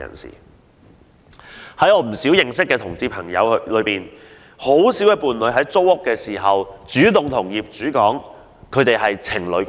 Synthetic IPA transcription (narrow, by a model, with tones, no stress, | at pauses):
ɐ̰˨˩nsḭː˨˩ | hɐ˨˥jɔː˨˧m̩˨˩siː˨˥wjɪ˨ŋsɪ˥kːɛː˧t̪ʰʊ˨˩ŋt͡siː˧pʰɐ˨˩ŋjɐ̰˨˧wlɵ˨˧ɥpiː˨n | ho˨˥wsiː˨˥wɛ˧puː˨nlɵ˨˧ɥɦɐ˨˥jt͡so˥whʊ˥kːɛː˧siː˨˩ɦɐ˨wt͡ʃyː˨˥t̪ʊ˨ŋt̪ʰʊ˨˩ŋjiː˨p̚t͡ʃyː˨˥kɔː˨˥ŋ | kʰɵ˨˧ɥt̪e˨jhɐ˨jt͡sʰɪ˨˩ŋlɵ˨˧ɥ